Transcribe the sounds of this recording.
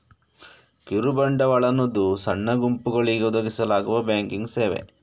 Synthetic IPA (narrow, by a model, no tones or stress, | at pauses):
kiɾubɐɳɖɐʋɐɭɐnːod̪usɐɳːɐɡumpuɡɐɭiɡeud̪ɐɡisɐlaːɡuʋɐbjaːŋkiŋɡseːʋḛ